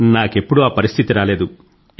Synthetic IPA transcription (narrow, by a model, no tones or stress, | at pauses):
naːke̞pːuɽuaːpɐɾist̪ʰit̪iɾaːle̞ːd̪u